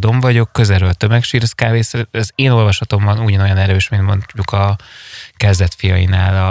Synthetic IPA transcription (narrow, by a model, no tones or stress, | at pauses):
d̪o̞ɱvɒɟo̞kːø̞zɛɾøːlt̪ø̞mɛkʃiːɾskaːveːsɛɾɛzeːno̞lvɒʃlɒt̪o̞mbɒnuɟɒnojɒnɛɾøːʃmint̪mo̞nɟukɒ | kɛzd̪ɛt̪fijɒjinaːlɒ